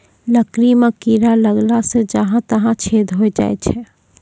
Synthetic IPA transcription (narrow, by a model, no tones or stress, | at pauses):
ləkɾiməkiɾaləɡlasẽd͡ʒəɦãt̪əɦãt͡ʃʰed̪ʱɦoɛd͡ʒa̰ːɛt͡ʃʰɛ